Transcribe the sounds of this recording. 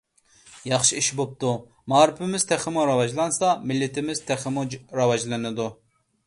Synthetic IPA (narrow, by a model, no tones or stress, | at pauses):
jɑχʃiiʃbop̚t̪u | mɑːɾɪpʰɪmɪz̥t̪ʰæχɪmuɾɑwɑd͡ʒlˠɑnsɑmɪlːɪt̪ʰɪmɪz̥t̪ʰæχɪmuɾɑwɑd͡ʒlˠɨnɨd̪u